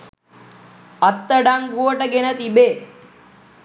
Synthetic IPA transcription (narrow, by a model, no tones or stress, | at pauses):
ɐt̪ːəɖaŋɡuəʈəɡenət̪ibeː